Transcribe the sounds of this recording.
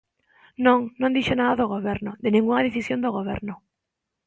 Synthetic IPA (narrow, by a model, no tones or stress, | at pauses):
nõŋnõnd̪iʃonaðaðoɣ̞oβ̞eɾnoðenĩŋɡuŋaðeθisjond̪oɣoβ̞eɾno